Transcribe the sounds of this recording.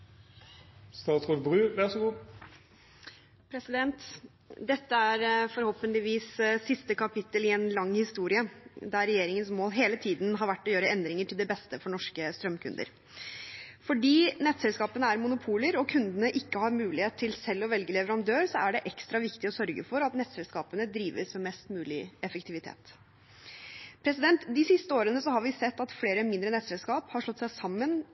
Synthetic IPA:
st̪ɑːt̪sɔɾbɾʉːʋɛʁsɔɡuː | pʰɾɛsɪd̪ɛnt̪ | d̪ɛt̪ːəæɾfɔɾhɔlpənlɪʋiːssɪst̪əkʰɑpɪt̪ːəlɪɛnlɑŋːhɪst̪uːɾɪəd̪æɾːɛjeːɾɪŋənsmoːlɦeːlət̪ʰiːd̪n̩ɦɑɾʋæʈːɔjøːɾəɛnd̪ɾɪŋəʈʰɪld̪ɛbɛst̪əfɔɳɔʂkəst̪ɾœmkʰʉ̰nd̪ə̰ɾ | fɔɖiːnɛt̪sɛlskɑːpənəæɾmʊnʊpʰuːləɾɔkʰʉnd̪ənəʔɪkːəhɑɾmʉːlɪheːt̪t̪ʰːɪlsɛlːɔʋɛlɡəlɛʋəɾɑnd̪øːɾsɔæɖɛʔɛkst̪ɾɑʋɪkt̪ɪɔsœɾɡə̰fɔɾɑt̪nɛt̪sɛlskɑːpənəd̪ɾiːʋəsmɛmɛst̪mʉːlɪɛfəkt̪ʰɪʋɪt̪ʰḛːt̪ | pʰɾɛsɪd̪ɛnt̪d̪ɪsɪst̪əoːɾənəsɔɦɑɾʋɪsɛt̪ːɑt̪fleːɾəmɪnd̪ɾənɛt̪sɛlskɑːphɑɾʂɭɔt̪ːsæɪsɑmːən

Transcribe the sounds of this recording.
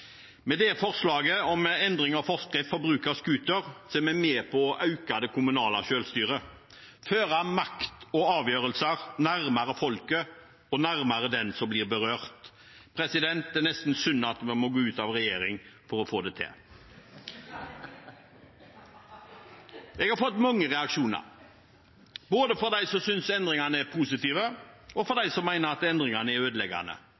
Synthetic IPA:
mɛd̪ɛfɔʁslɑːɡəɔmɛnd̪ɾɪŋɑfɔʁskəfɔbɾʉːkɑskʉːt̪əɾseːmæɪmeːpʰɔʔɑʉkɑd̪əkʰʊmʉnɑːlɑʃøːlst̪yːʁə | føːʁɑmɑkt̪ɔɑːʋjøːʁəlsəɾnæɾmɑɾəfɔlkə | ɔnæʁmɑɾəd̪ɛnsɔmblɪʁbəʁøːʁt̪ | pʰɾɛsɪd̪ɛnt̪ɛnɛst̪n̩sʏnːɑt̪mɛmɔɡoːʉːt̪ɑʋɾɛjeːɾɪŋfɔɾɔfoːd̪ɛt̪ʰɛ̰ | ɛɡhɑɾfɔt̪ːmɑŋːəʁɛɑkʂuːnɑ̰ɾ | boːd̪əfɔɾd̪æɪsɔmsʏnsɛnd̪ʁɪŋɑnəɛɾpʰuːsɪt̪iːʋəɔfɔɾd̪æɪsɔmːæɪnəɾɑt̪ɛnd̪ɾɪŋɑnəɛɾøːd̪əlɛɡɑ̰nə̰

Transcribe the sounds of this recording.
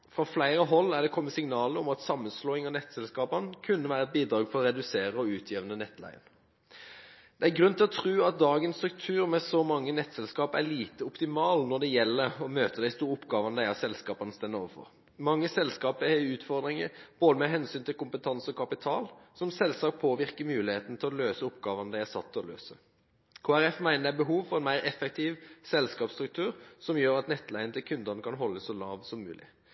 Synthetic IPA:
fɾɑflæɪɾəɦɔlːæʁd̪ɛkʰɔmːəsɪŋnɑːləʊmɑt̪sɑmːənsloːɪŋɑnɛt̪ːsɛlskɑːpənkʰʉnːəʋæːɾəɛt̪̚biːd̪ɾɑːɡfʰɔɾɔɾɛd̪ʉseːɾəɔʉːt̪ʰjiːʋənənɛt̪ːlæ̰ɪə̰n | d̪̥ɛæɾɡɾʉnt̪ɪlɔt̪ʰʁʉːɑt̪̚d̪ɑːɡənst̪ɾʉk̚t̪ʰʉːɾmɛsɔmɑŋːənɛt̪ːsɛlskɑːpæ̰liːt̪əʊpt̪ɪmɑːlnɔd̪ɛjɛlːəɾɔmøːt̪əd̪æɪst̪uːɾəʊpːɡɑːʋənəd̪æɪɑsɛlskɑːpɑnəst̪ɛnəɔ̰ːʋəfɔ̰ʁ | mɑŋːəsɛlskɑːpːʉːt̪fɔʁd̪ɾɪŋəb̥oːd̪əmɛɦɛnsyːnt̪ɪlkʊmpət̪ʰɑnsɔkʰɑpɪt̪ʰɑːlsɔmsɛlsɑːk̚pʰoːʋɪʁkəmʉːlɪheːt̪ən̩ət̪ʰɪlɔløːsəʊpɡɑːʋənəd̪æɪæsɑt̪ːɔlø̰ːsə | kʰoːæɾɛfmæɪnəd̪æɪbəɦuːʋfɔʁɛnmæɪɾɛfɛk̚t̪ʰiːʋsɛlskɑːpst̪ɾʉk̚t̪ʰʉːɾsɔmjøːɾɑt̪nɛt̪ːlæɪənət̪ʰɪlkʰʉnd̪əʁnəkʰɑnɦɔlːəssɔlɑːʋsɔmːʉ̰ːlʔɪ̰

